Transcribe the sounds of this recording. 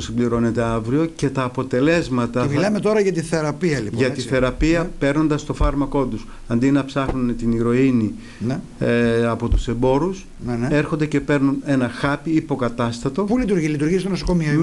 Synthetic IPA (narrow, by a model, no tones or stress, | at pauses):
simbliɾo̞ne̞t̪e̞ɐvɾio̞ce̞t̪ɐːpo̞t̪e̞le̞zmɐt̪ɐmilɐmet̪o̞ɾɐʝɐt̪iθe̞ɾɐpiɐlipʝɐt̪iθe̞ɾɐpiɐpe̞ɾno̞nd̪ɐst̪o̞fɐɾmɐko̞t̪us | ɐnd̪inɐpsɐxnune̞t̪iniɾo̞ini | n | ɐpo̞t̪use̞mbo̞ɾus | e̞ɾxond̪e̞ce̞pe̞ɾnune̞nɐxɐpiipo̞kɐt̪ɐst̪ɐt̪o̞pulit̪uɾʝilit̪uɾʝist̪onosokomio